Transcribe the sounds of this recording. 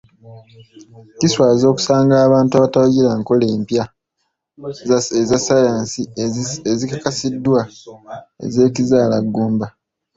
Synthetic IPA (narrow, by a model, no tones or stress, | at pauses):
ciswaːzo̞ːku̥saːŋɡaːβaːntuaːβatawuɟilaŋko̞le̞ːmpja | ezasajaːnsiezikakasidːwa | ḛze̞ːcizaːlaɡːuːmba